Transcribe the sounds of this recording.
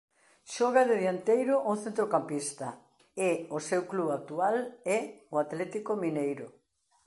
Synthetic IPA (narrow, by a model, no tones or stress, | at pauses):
ʃɔɣaðɪðjant̪ejɾʊʔoθent̪ɾokampist̪ɐ | eosewkluβak̚t̪ualɛoat̪lɛt̪ikominejɾʊ̰